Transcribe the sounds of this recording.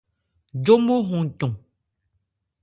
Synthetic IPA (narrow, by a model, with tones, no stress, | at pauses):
d͡ʒo˦mo˦ɦũ˨tɔ̃˨